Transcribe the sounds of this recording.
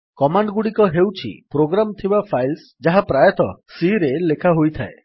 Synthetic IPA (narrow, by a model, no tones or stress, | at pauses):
kɔmaɳɖɡuɽikɔɦewt͡ʃʰḭpɾoɡɾamt̪ʰibapʰajls | d͡ʒaɦapɾajɔt̪ɔsiɾelekʰaɦojt̪ʰa̰e